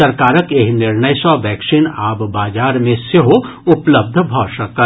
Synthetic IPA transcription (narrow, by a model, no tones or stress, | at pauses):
ɐɾkaːɾəkeːɦnɪɾnəjsɔʋɛːksinaːbbaːd͡ʒaːɾmẽseɦo | ʊpləb̚d̪ʱbʱɔːʃɐkə